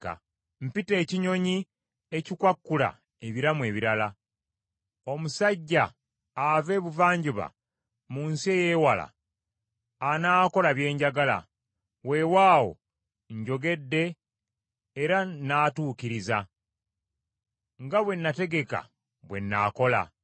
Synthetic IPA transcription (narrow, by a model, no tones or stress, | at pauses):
m̩pite̞ːciɲo̞ɲi | e̞cikwakːula̰ | eβiɾamwe̞ːβiɾala | o̞musaɟːaː | ve̞ːβuvaːɲɟuβa̰ | muːnsie̞je̞ːwala̰ | naːko̞laβje̞ːɲɟaɡala̰ | we̞waːwo̞̰ | ɲɟo̞ɡe̞dːe̞ | ɾanaːtuːkiɾiza | ŋɡaβwe̞nːate̞ɡe̞ka̰ | βwe̞nːa̰ːko̞la̰